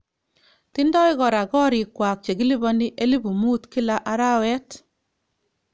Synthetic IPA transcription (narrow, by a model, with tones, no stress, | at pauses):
ti˦ndɔ˦i˦kɔ˨ɾa˨kɔ˦ɾi˨kːwa˨k̚t͡ʃe˨ɡi˦li˦bɔ˦ndi˦ʔe˦li˦bu˨mu˦tki˦la˦ʔa˦ɾa˦wɛ˦t